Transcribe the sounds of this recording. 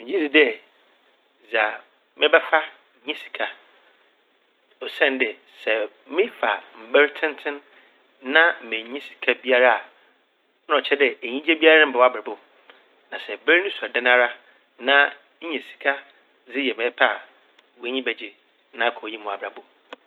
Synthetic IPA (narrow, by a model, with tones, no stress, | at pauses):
mɪ̃˨ɲĩ˦di˨dɛ˦ | za˨ | mɪ̃˦bɛ˦fa˦ | ɲĩ˦si̥˨kʰa˨ | ɔ˨sɛ̃˦ndɪ˨ | sɛ˨ | mɪ̃˦fa˨m̩˨bɛ˦ɾtʰɪ̃˦n˦tʰɪ̃˦n | nã˦m̩˨mɪ̃˨˦ɲĩ˦si̥˨kʰa˦bi˦a˦ɾa˦ã˨˦ | ɔ˨t͡ɕʰɛ˦dɛ˨e˨ɲĩ˦d͡ʑɛ˦bi˦a˦ɾm̩˨bɛ˨wa˦bɛ˨bʊ˨ | nã˨sɛ˨bæ˦ɾnʊ̃˦sa˨dɛ˦nã˦ɾa˦ | nã˦ | ɲ̩˦ɲɛ̃˨si̥˨kʰa˦ | zɪ˦jɛ˨mɛ̃˨˦pʰa˦a˨ | wɔ˨˦ɲĩ˦bɛ˨d͡ʑɪ˦ | nã˦˨kʰɔ˨ji˦mʊ̃˨a˨bɾa˨bʊ˦